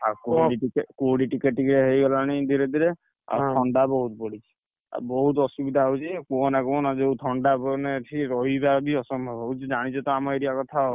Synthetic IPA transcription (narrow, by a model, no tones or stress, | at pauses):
akoiʈikekoɖiʈikeʈikɾɛɦejɡɔlanid̪ʱiɾed̪iɾɛ | a̰t̪ʰɔɳɖabɔɦut̪̚pɔɽit͡ʃʰi̥ | a̰bɔɦut̪ɔsubid̪ʱaɦɦut͡ʃʰikuɔnakɔɔnazewt̪ʰɔɳɖabɔnɛtʰiɾɔɦibabiɔsɔmbʱɔbʱɦɔut͡ʃʰid͡ʒaɽ̃isʰɔt̪ɔamɔeɾijakɔt̪ʰaɔ